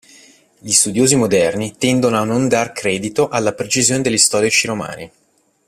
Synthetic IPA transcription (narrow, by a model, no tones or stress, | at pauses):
ʎist̪ud̪joːzimod̪ɛrnit̪ɛnd̪onoanːond̪arkɾɛːd̪it̪oʔalːapɾet͡ʃizjoːned̪elːist̪ɔːɾit͡ʃiɾoma̰ːni